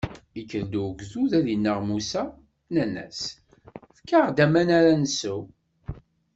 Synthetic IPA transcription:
ikːəɾd̪uɡʷðuðæðinːəʁmusæ | nænæ̰s | fkːaʁd̪æmænaɾænəsu

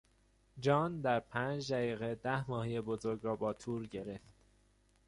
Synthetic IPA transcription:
d͡ʒɒːnd̪æɾpʰænd͡ʒd̪æɣiːɣe̞d̪æhmɒːhijebozo̞ɾɡɾɒːbɒːt̪ʰuːɾɟe̞ɾe̞ft̪

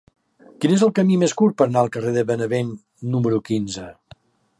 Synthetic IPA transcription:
kinezəlˠkəmimeskuɾt̪̚pəɾənaəlˠkəreðəβənəβen | numəɾukinzə

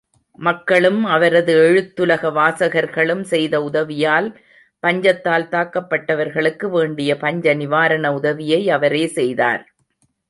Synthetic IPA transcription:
mɐkːɐɭɯmɐʋɐɾɐðɯɛɻɯt̪ːɯlɐɣɐʋaːsɐɣɐɾɣɐɭɯmsɛjðɐʊðɐʋɪjaːl | pɐɲd͡ʒɐt̪ːaːlt̪aːkːɐpːɐʈːɐʋɐɾɣɐɭɯkːɯʋeːɳɖɪjɐpɐɲd͡ʒɐnɪʋaːɾɐnɐʊðɐʋɪjɐɪɐʋɐɾeːsɛjða̰ːɾ

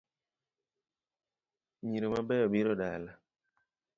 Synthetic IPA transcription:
ɲiɾomabɛɔbiɾoɗala

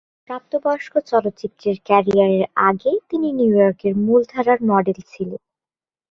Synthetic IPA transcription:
kɾap̚t̪obaʃkot͡ɕɔlot̪ːt͡ɕit̪ːɾeɾkɛɾijaɾeɾa̰ɡet̪ininuujɔɾkeɾmuld̪ʱaɾaɾmɔɖelt͡ɕʰilen

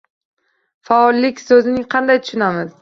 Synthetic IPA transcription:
faɒlˠːɪkʲsɵzɪnɪŋqʰɑnd̪ajt̪ʰʊ̥ʃʊnamɪz̥

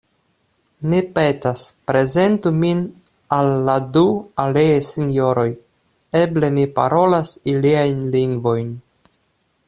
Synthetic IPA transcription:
mipe̞taspɾe̞ze̞ntumin | alːadualeesinjo̞ɾo̞j | e̞ble̞mipa̰ɾo̞lasiliajnliŋɡvo̞jn

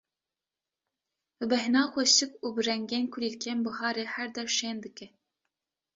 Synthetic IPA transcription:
bɨbɛɦnɑːxʷɛsɨkuːbɨɾɛŋɡenkʰʊlilkʰɛmbɨhɑːɾehæɾd̪ɛɾʃeːnd̪ɨkɛ

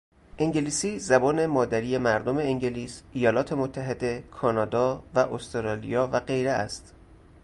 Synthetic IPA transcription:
ʔeŋɟeliːsiːzæbɒːne̞mɒːd̪æɾiːje̞mæɾd̪ome̞eŋɟeliːsʔijɒːlɒːt̪ʰe̞mot̪ʰːæɦe̞d̪e̞kʰɒːnɒːd̪ɒːvæʔost̪oɾɒːlḭjɒːvæɢe̞jɾeæ̰st̪

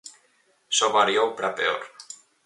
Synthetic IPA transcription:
soβaɾjowpɾapeo̰ɾ

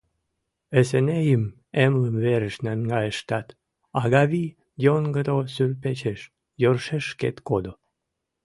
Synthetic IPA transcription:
esenejəm | emləmveɾə̆ʃnænɡɑjəʃt̪ɑt̪ | ɑɣɑβi | jonɡəd̪osyrpet͡ɕeʃ | jorʃeʃkḛt̪kod̪o

